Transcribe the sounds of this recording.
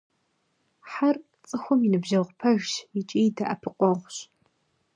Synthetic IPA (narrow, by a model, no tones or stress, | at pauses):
ħar | t͡sʼɨxʷɔmjinɨbʒɐʁʷpʰɐʒʃit͡ʃʼiːjdaʔɐpʰɨqʷʼɔʁʷɕ